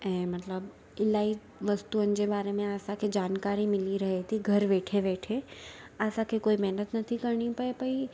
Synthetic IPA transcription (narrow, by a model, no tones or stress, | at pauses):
ɛ̃ːmɐt̪ləb | ɪlaːi | ʋɐst̪uənɪ̆d͡ʑebaːɾemẽaːsãkʰed͡ʒaːnkaːɾimɪliɾɐɦet̪ʰiɡʱɐɾʋeːʈʰeʋeːʈʰeaːsãkʰekoːimɛɦnət̪nɐt̪ʰĩkɐɾɳ̃ipɐepɐi